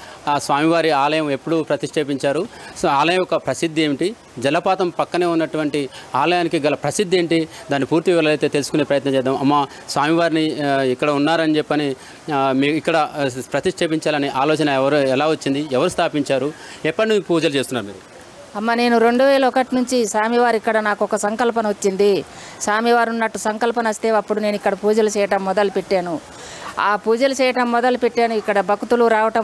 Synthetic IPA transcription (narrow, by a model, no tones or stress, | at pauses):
sʋaːmiʋaːɾiaːlɐjɐme̞pːuɽupɾɐt̪iʂʈʰeːp̬iɲt͡ʃaːɾuaːlɐjɐmɔkɐpɾɐsid̪ʱːe̞ːmiʈi | d͡ʒɐlɐpaːt̪ɐmpɐkːɐne̞ːunːɐʈuʋɐɳʈiaːlɐjaːnikiɡɐlɐpɾɐsid̪ʱːe̞ːɳʈid̪aːnːipuːɾt̪iʋɐlɐlɐjt̪e̞ːt̪e̞lusu̥kune̞ːpɾɐjɐt̪nɐt͡ʃɛːd̪aːmɐmːɐ | sʋaːmiʋaːɾiniikːɐɽɐunːaːɾɐnid͡ʒepːɐni | miːkikːɐɽɐpɾɐt̪iʂʈʰeːpiɲt͡ʃaːlɐniʔaːlɔːt͡ʃɐnɐʋɐɾuɛlaːʋɐt͡ʃːind̪iɛʋɐɾust̪ʰaːpiɲt͡ʃaːɾu | ɛpːɐɳːipuːd͡ʒɐlut͡ʃeːst̪unːaːɾumḭːɾu | ɐmːɐne̞ːnuɾeɳɖuʋɛːlɐɔkɐʈinuɲt͡ʃisaːmiʋaːɾikːɐɽɐnaːkuɔkɐsɐŋkɐlpɐnɐʋot͡ʃːind̪i | saːmiʋaːɾunːɐʈːusɐŋkɐlpɐnɐɐst̪e̞ːɐpːuɽune̞ːnuikːɐɽɐpuːd͡ʒɐlut͡ʃɛːjɐʈɐmːɔd̪ɐlupeʈːaːnu | aːpuːd͡ʒɐlut͡ʃɛːjɐʈɐmːɔd̪ɐlupeʈːaːnuikːɐɽɐbʱɐkut̪uluɾaːʋɐʈɐm